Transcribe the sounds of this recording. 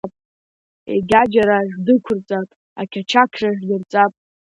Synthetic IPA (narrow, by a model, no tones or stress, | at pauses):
pʼ | ḛɡʲad͡ʒaɾaʒdɨkʷʰʊrt͡sʼapʼ | akʲʰat͡ʃʰakʰraʒɡʲɪrt͡sʼapʼ